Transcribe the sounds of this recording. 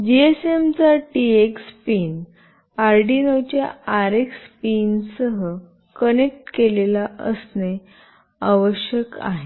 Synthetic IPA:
d͡ʑiesemt͡saʈiekspiːn | aɾɖinəwt͡ɕjaːɾekspinsəɦə | kənek̚ʈkelelaʔəsne | aʋəɕjəka̰ɦe

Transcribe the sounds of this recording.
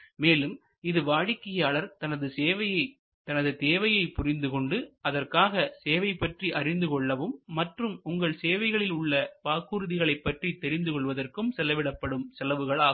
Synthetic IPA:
meːlɯm | ɪðɯʋaːɽɪkːɪjaːɭɐɾt̪ɐnɐðɯseːʋɐjɐɪ | t̪ɐnɐðɯt̪eːʋɐjɐɪpʊrɪnd̪ɯkɔɳɖɯɐðɐrkaːɣɐseːʋɐɪpːɐʈriʔɐrɪnd̪ɯkɔɭːɐʋɯmːɐʈrɯmʊŋɡɐɭseːʋɐɪɣɐɭɪlʊɭːɐpaːkːuːɾɯðɪɣɐɭɐɪpːɐʈrit̪ːɛɾɪnd̪ɯkɔɭʋɐðɐrkɯmsɛlɐʋɪɽɐpːɐɽɯmsɛlɐʋɯɣɐɭaː

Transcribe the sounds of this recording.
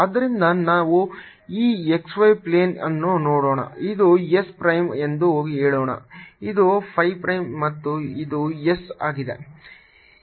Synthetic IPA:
ɐd̪ːɐɾind̪ɐnaːʋu | iːeksʋɐjpleːnɐnːunoːɽoːɳɐ̰id̪uespɾɐjme̞nd̪uɦoːɡiɦeːɭoːɳɐ̰id̪upʰɐjpɾɐjmːɐt̪ːuid̪uesaːɡid̪e̞̰

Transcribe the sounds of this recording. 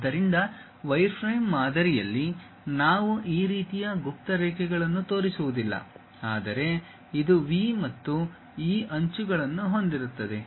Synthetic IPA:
d̪ɐɾind̪ɐ | ʋɐjɾpʰɾɐjmːaːd̪ɐɾijɐ̰lːi | naːʋuʔiːɾiːt̪ijɐɡup̚t̪ɐɾɛːkɛɡɐɭɐnːut̪o̞ːɾisuʋud̪ilːɐ̰ | aːd̪ɐɾe̞ | id̪uʋiːmɐt̪ːu | iːʔɐɲt͡ʃuɡɐɭɐnːuɦo̞nd̪iɾut̪ːɐd̪e̞

